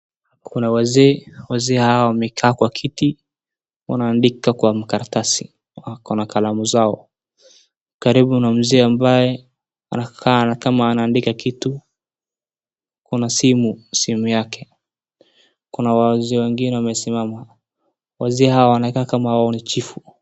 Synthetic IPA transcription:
kʰunawazɛːwazɛːhawawamɛkʰaːkwakʰiti | wa̰naːndikakwam̩kaɾatasi | akɔnakalamuzaɔ | kaɾiɓunam̩zɛːambajɛ | a̰nakʰankamaːnaːndikakitu | kunasimusimujakɛ | kunawazɛːwɛŋɡinɛwamɛsimama | wazɛːɦawawanaikaːkamawaɔnit͡ʃifu

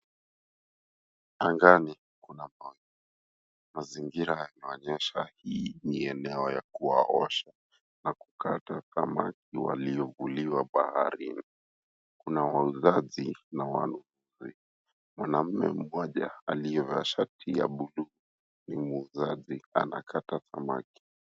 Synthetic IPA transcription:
aŋɡani | kunama | maziŋɡiɾajanaɔɲɛʃahiːniɛnɛɔjakuwa̰ʔɔʃa | naku̥katakama̰k̚iwa̰liɔvuliwaɓahaɾini | kunawauzazinawa̰nunuzi | mwanam̩mɛ̰m̩mɔʄa̰aliɛvaʃatʰija̰ɓulu | nimuːzazia̰na̰kʰataθama̰ki̥

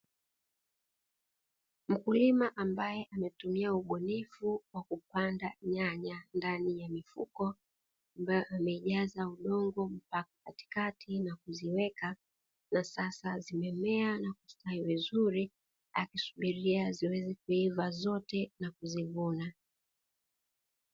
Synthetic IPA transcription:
m̩kulimaʔambajɛʔamɛtumiauɓɔnifuwakupandaɲaɲandanijamifukɔ | ambajɔʔamɛiʄazauɗɔŋɡɔm̩pakḁkati̥katʰinakuziwɛka | nasasazimɛmɛanakustaivizuɾi | akisu̥ɓiɾiaziwɛzɛkuivazɔtɛnakuzivuna

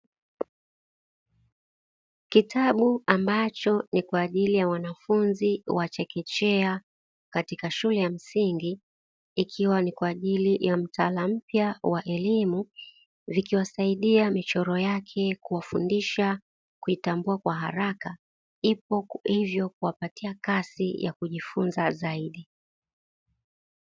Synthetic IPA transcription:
kitʰaɓuambat͡ʃɔnikwaːʄilijawanafunziwat͡ʃɛkɛt͡ʃɛa | katikaʃulɛjam̩siŋɡiː | kʰiwanikwaːʄilijam̩tʰalam̩pjawaʔɛlimu | vikiwasaiɗiamit͡ʃɔɾɔjakʰɛkuwafundiʃa | kuitambuakwaɦa̰ɾaka | ipɔhivjɔk̚uwapatiakasija̰kuʄifunzazaiɗi

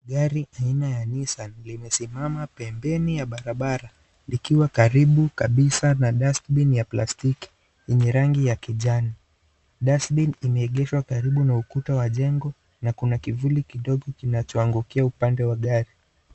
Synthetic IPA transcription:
ɠaɾiʔainajanisanlimɛsimamapɛmbɛnijaɓaɾaɓaɾa | likiwakaɾiɓukaɓisanaɗastɓinjaplastiki̥ | jɛɲɛɾaŋɡijakiʄani | ɗasɓinimɛːɠɛʃwakaɾiɓunaukutawaʄɛŋɡɔ | nakunakivulikiɗɔɠɔkinat͡ʃɔaŋɡukiaupandɛwaɠaɾi

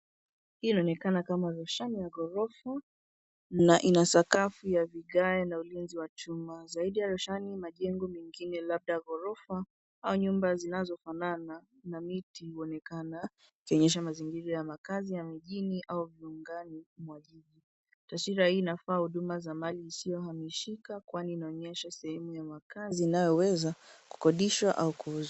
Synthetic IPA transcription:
hiinaɔnɛkanakamaɾuʃanijaɣɔɾɔfa | naʔinasakafujaviɠajanaulinziwat͡ʃumazaiɗijaɾɔʃanimaʄɛŋɡɔmɛŋɡinɛlab̚ɗaɣɔɾɔfa | auɲumbazinazɔfanana | namitiuɔnɛkana | ikiɔɲɛʃ̬amaziŋɡiɾajamakazijamiʄiniʔauviuŋɡanimwaʄiʄi | taʃiɾahiːnafaːhuɗumazamaliːsijɔhamiʃikakwaniːnaɔɲɛʃasɛhɛmujamakaziːnajɔwɛzaku̥kɔɗiʃwaʔaukuuza

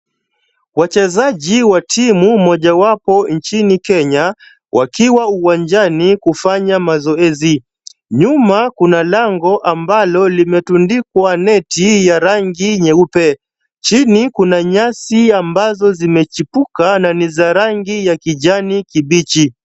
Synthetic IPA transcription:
wat͡ʃɛzaʄiwatʰimumɔʄawapɔnt͡ʃinikɛɲa | wʔa̰kiwauwaɲd͡ʒanikufaɲamazɔɛzi | ɲumakunalaŋɡɔʔambalɔlimɛtundikwanɛtijaɾaŋɡiɲɛupɛ | t͡ʃinikunaɲasiambazɔzimɛt͡ʃipukananizaɾaŋɡijakiʄanikiɓit͡ʃi

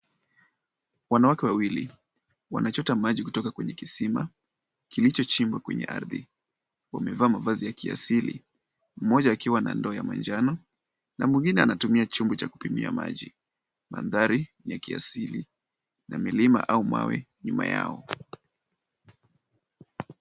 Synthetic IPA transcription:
wanawakɛwawili | wa̰nat͡ʃɔtamaʄikutɔkakwɛɲɛkisima | kilit͡ʃɔt͡ʃimbwakwɛɲɛ̰ʔa̰ɾðḭ | wamɛvaːmavazijakia̰silḭ | m̩mɔʄaːkiwana̰ndɔjamand͡ʒanɔ | namwiŋɡinɛanatumiat͡ʃumbɔt͡ʃaku̥pimḭa̰ma̰ʄi | ma̰nðaɾinjakia̰sili | namilima̰ʔauma̰wɛ̰ɲumaja̰ɔ

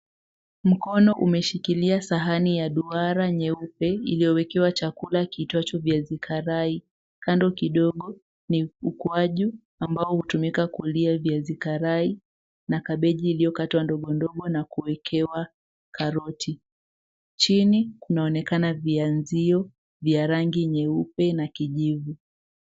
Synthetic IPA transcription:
m̩kɔnɔʔumɛʃikiliasaɦanijaɗuaɾaɲɛupɛilijɔwɛkɛwat͡ʃakulakitwat͡ʃɔvjazikʰaɾai | kandɔkiɗɔɠɔ | niukuaʄu | ambaɔhutumikakuliavjazikaɾai | nakaɓɛʄiːlijɔkatwandɔɠɔndɔɠɔnakuwɛkʰɛwa | kʰaɾɔtʰi | t͡ʃinikunaɔnɛkanavianziɔ | vjaɾaŋɡiɲɛupɛnakiʄivu

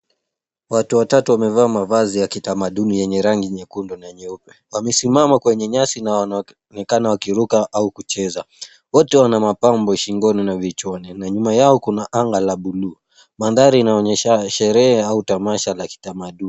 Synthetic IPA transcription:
watuwatatuwamɛvaːmavazijakitamaɗunijɛɲɛɾaŋɡiɲɛkundɔnaɲɛupɛ̥wamɛsimamakwɛɲɛɲasinawan | nɛkanawakiɾukaʔaukut͡ʃɛza | wɔtɛwanamapambɔʃiŋɡɔninavit͡ʃɔninaɲumajaɔkunaʔaŋɡalaɓuluː | manðaɾiːnaɔɲɛʃaʃɛɾɛhɛautamaʃalaki̥tamaɗuni

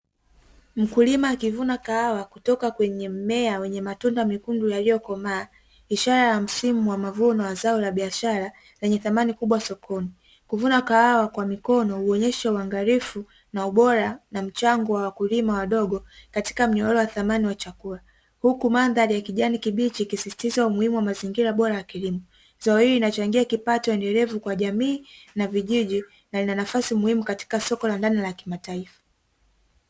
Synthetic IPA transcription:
m̩kulimaːkivunakaawakutɔkakwɛɲɛm̩mɛawɛɲɛmatundamikundujalijɔkɔmaː | iʃaɾajam̩simuwamavuɔnawazaɔlaɓiaʃaɾa | lɛɲɛθamanikuɓwasɔkʰɔni | kuvunakaawakwamikɔnɔhuɔɲɛʃauaŋɡaɾifu | nauɓɔɾanam̩t͡ʃaŋɡɔwawakulimawaɗɔɠɔkati̥kam̩ɲɔɔlɔwaθamaniwat͡ʃakula | hukumanðaɾijakiʄanikiɓit͡ʃikisisi̥tizaumuhimuwamaziŋɡiɾaɓɔɾajakilimɔ | z̥aɔhiɾinat͡ʃaŋɡiakipatɔwɛndɛlɛvukwaʄamiːnaviʄiʄi | nalinanafasimuhimukati̥kasɔkɔlandanilakimataifḁ

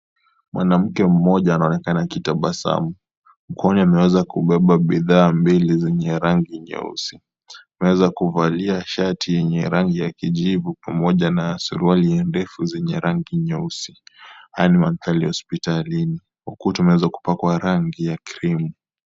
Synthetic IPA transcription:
mwanam̩kɛm̩mɔʄaːnaɔnɛkanakitaɓasa̰mu | m̩kɔɔniamɛwɛzakuɓɛɓaɓiðaːmbilizɛɲɛɾaŋɡiɲɛ̰ṵsi | amɛwɛzakuvaliaʃatʰijɛɲɛɾaŋɡijakiʄivupamɔʄanaːsṵɾualiɛndɛfuzɛɲɛɾaŋɡiɲɛusihajanimam̩θalihɔspitalini | hukutumɛwɛzaku̥pakwaɾaŋɡijakiɾimu

